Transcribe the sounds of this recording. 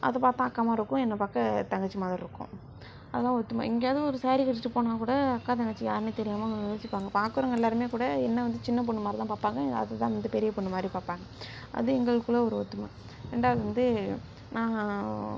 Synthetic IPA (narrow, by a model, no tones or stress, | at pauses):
ʔɐ̰ðɐpaːɾt̪ːãːɐkːaːmaːɪɾɯkːʊ̃ɛnːɐpaːkːɐt̪ɐŋɡɐt͡ʃːɯmaːðɾiɾɯkːʊ̰̃ | ɐðɐt̪ãːɔt̪ːɯma̰ɪŋɡeɐðɯɔɾɯsaːɾikɐʈːɯʈːɯpoːnaːkuːɽɐɐkːaːt̪ɐŋɡɐt͡ʃːɯja̰ːɾɯnet̪ɛɾɪjaːmaːjoːsɪpːaːŋɡɐpaːkːɯɾɐŋɡɐɛlːaːɾɯmeːkuːɽɐɛnːɐʋɐnd̪ɯt͡ʃɪnːɐp̬ɔɳːɯmaːɾɯt̪ãːpaːɾpːaːŋɡɐɐ̰ðɐt̪ãːʋɐnd̪ɯpɛɾɪjɐpɔɳːɐmaːd̪ɾipaːɾpaːŋɡɐ | ɐ̰ðɯɛŋɡɐɭɯkːɯɭːɐɔɾɯɔt̪ːɯma̰ | ɾḛːɳɖaːðʋɐnd̪ɯ | nãː